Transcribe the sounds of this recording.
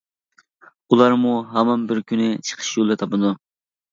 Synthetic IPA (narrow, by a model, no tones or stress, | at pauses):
ulˠɑɾmuɦɛmɑnbɪɾkʲʰynɪt͡ʃʰə̥qʰə̥ʃjolˠɨt̪ʰɑpɨnd̪u